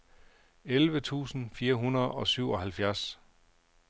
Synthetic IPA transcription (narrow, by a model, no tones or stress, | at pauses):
elʋət͡sʰṵːsn̩fiːɐɦunɐð̩ˠɒ̽syʊ̰ɒ̽hælfjæɐs